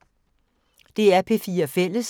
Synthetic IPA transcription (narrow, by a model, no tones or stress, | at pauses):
d̥e̝æɐpʰe̝fiːɐɒfel̰əs